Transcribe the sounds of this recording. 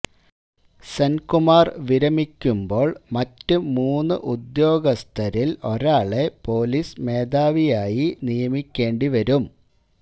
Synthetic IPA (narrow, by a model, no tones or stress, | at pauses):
sɐnkumaːrʋiɾɐmikʲːumbo̞ːɭmɐtːɨmuːnːɨʔud̪jo̞ːɡɐst̪ʰɐɾilo̞ɾaːɭe̞po̞ːliːsme̞ːd̪aːʋijaːjinijɐmikʲːe̞ːɳɖiʋɐɾum